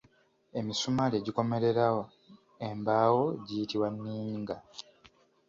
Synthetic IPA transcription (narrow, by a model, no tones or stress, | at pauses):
e̞misumaleɟiko̞me̞ɾe̞ɾawo | embaːwo̞ɟijitiwanːiːɲiŋɡa